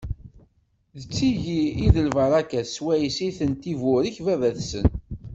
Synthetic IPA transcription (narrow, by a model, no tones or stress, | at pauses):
ðət͡sːiʝiiðəlvɑɾˤɑkæswæjisiθənt̪ivʊɾiçvævæθsə̰n